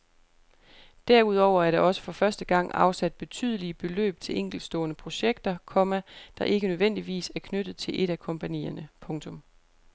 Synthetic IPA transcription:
d̥æɐ̰uð̞̰ˠɒʊ̰ɐæɐɾ̥ɑ̈ɒ̽sə̥fɒ̽fɶɐsd̥əɡ̥ɑ̈ŋ̰ɑ̈ʊsæd̥̚b̥e̝t͡sʰy̰ðˠəliəb̥e̝lø̰ːb̥̚t͡sʰe̝lʔeŋ̰ɡ̥l̩d̥sd̥ɔ̰̽ːnəpʰʁo̝ɕeɡ̥̚d̥ɐkʰɒ̽mæd̥ɑ̈ʔe̝ɡ̥ənøðˠʋen̰d̥iʋḭːsæɐkʰnød̥ð̞̩ˠt͡sʰe̝lʔe̝ɾækʰɒ̽mpʰænḭːɐnəpʰɔ̽ŋt͡sʰɔ̽m

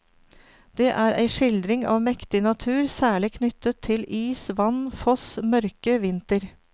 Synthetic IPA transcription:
d̪̥eːʔæːɾʔæ̰ɪʂɪld̪ɾɪŋɑ̰ːʋmɛkt̪ɪnɑt̪ʰʉːɾsæːɭɪkʰnʏt̪ət̪ʰːɪliːsʋɑnfɔsmœɾkəʋɪnt̪əɾ

